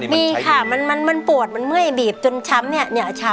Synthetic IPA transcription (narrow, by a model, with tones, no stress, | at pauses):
miː˧kʰa˥˩ma˧nma˧nma˧npu˨˩ət̪̚ma˧nmɯ˥˩jbiː˨˩p̚t͡ɕo˧nt͡ɕʰa˦˥mni˥˩əni˥˩t͡ɕʰa˦˥